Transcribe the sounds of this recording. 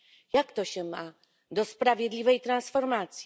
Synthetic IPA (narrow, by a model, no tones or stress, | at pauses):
jakt̪ɔɕɛma | d̪ɔspɾavʲjɛd̪lʲivɛjt̪ɾansfɔɾmat̪sʲji